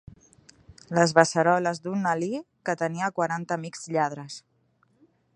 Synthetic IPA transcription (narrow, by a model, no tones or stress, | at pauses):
ləzβəsəɾɔləzd̪unːəli | kət̪əniəkwaɾant̪əmikz̥ʎað̞ɾəs